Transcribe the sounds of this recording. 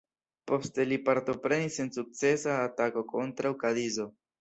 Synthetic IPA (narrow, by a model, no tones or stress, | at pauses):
po̞ste̞lipaɾto̞pɾe̞nisensuk̚t͡se̞saːtako̞ko̞ntɾawkadizo̞